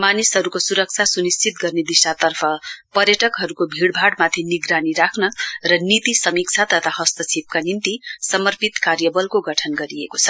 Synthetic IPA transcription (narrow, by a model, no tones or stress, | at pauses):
manisɦʌɾukosuɾʌk̚t͡sʰasunist͡sit̪̚ɡʌrned̪isat̪ʌrpʰʌpʌɾjʌʈʌkɦʌɾukobʱiɽbʱaɽmat̪ʰiniɡɾaniɾakʰnʌrʌnit̪isʌmik̚t͡sʰat̪ʌt̪ʰaɦʌst̪ʌt͡sʰip̚kanint̪isʌmʌrpit̪kaɾjʌbʌlkoɡʌʈʰʌnɡʌɾiḛkot͡sʰʌ